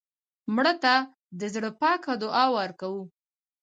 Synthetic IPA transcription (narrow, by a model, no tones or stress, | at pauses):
mɽət̪a | d̪əzɽəpɑkad̪ʊʔɑwaɾkawu